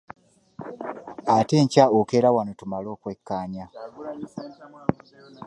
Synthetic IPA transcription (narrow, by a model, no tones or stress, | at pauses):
ate̞ːɲcaokeɾawanotumalo̞ːkwe̞kːaːɲa